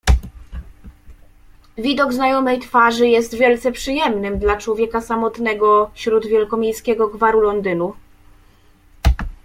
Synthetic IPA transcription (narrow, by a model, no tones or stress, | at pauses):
vʲid̪ɔɡznajɔmɛjt̪faʐɘjɛst̪vʲjɛlt̪sɛpʂɘjɛmnɘmd̪lat͡ʂwɔvʲjɛkasamɔt̪nɛɡɔɕɾud̪vʲjɛlkɔmʲjejskʲɛɡɔɡvaɾulɔnd̪ɘnu